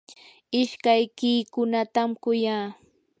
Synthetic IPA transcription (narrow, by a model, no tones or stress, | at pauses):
ɪʃkajkiːkʊnat̪amkʊjaː